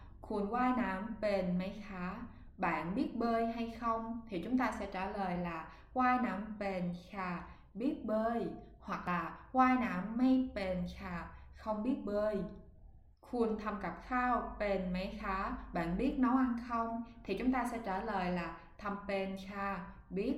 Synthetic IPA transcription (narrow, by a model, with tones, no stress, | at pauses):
kʰu˨˩ənkwaː˧jnaː˧˩˦mpe˨˩nma˨˦jxaː˨˦ | ɓa̰ː˧˨nɓi˦˥ət̚ɓəː˧jɦa˧jxə˧wŋ͡mt̪ʰi˨˩t͡ɕʊ˨˦ŋ͡mt̪aː˧sɛ̰˧˥t͡ɕaː˧˩ləː˨˩jlaː˨˩ | kwaː˧jnaː˨˧˦mpe˨˩nxaː˧˩ | ɓi˦˥ət̚ɓəː˧j | hwa˨˩k̚laː˨˩kwaː˧jnaː˧˩˦mːa˧jpe˨˩nxaː˧˩xə˧wŋ͡mɓi˦˥ət̚ɓəː˧j | xu˧˩ənt̪ʰa˧˩mka˨˩p̚xaː˧wpe˨˩nma˨˦jxaː˨˦ɓa̰ː˧˨nɓi˦˥ət̚nɔ˨˦wʔa˧nxə˧wŋ͡mt̪ʰi˨˩t͡ɕʊ˨˦ŋ͡mt̪aː˧sɛ̰˧˥t͡ɕaː˧˩ləː˨˩jlaː˨˩ | t̪ʰə˧˩mpe˧˩nxaː˧˩ | ɓi˦˥ət̚